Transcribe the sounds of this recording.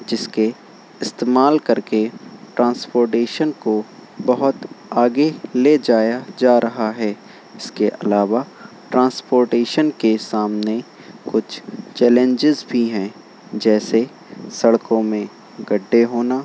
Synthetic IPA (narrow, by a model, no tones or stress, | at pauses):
d͡ʒɪske | ɪst̪eːmaːlkɐɾkeʈɾãːnspoːɾʈeːʃənkobɐɦʊt̪aːɡeled͡ʒaːjad͡ʒaːɾʔɐɦaɦɛː | ɪskeʔɐlaːʋa | ʈɾãːnspoːɾʈeːʃənkesaːmne | kʊt͡ʃʰt͡ʃɛːlẽɲd͡ʒɪzbʱiɦɛ̃ | d͡ʒɛːse | sɐɽkõmẽ | ɡɐɖːeɦoːnaː